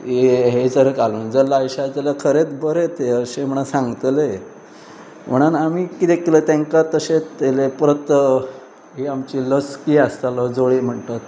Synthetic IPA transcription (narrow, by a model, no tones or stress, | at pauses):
eɦed͡zəɾkaluːnd͡zəɾlajɕad͡zəlakʰəɾet̪bəɾet̪ʰeəɕem̤əɳ̃asãŋɡt̪le | m̤əɽ̃anamiːkit̪ekʰilət̪ãŋkat̪əɕet̪elepɾət̪ə | ɦiamt͡ɕiːləskiːast̪aləd͡zoɭim̤əɳt̪at̪̚